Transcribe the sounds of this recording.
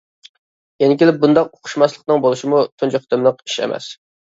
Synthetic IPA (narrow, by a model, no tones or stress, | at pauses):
jenɪkʲilɪp̚bund̪ɑqoqʰʊ̥ʃmɑslˠəq̚nɨŋbolˠuʃimut̪ʰunt͡ʃʰɛχt̪ʰɪmlˠəqi̥ʃḛmʔɛ̰s